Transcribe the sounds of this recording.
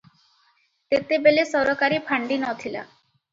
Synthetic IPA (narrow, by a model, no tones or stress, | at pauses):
t̪et̪ebelesɔɾokaɾipʰaɳɖinɔt̪ʰila̰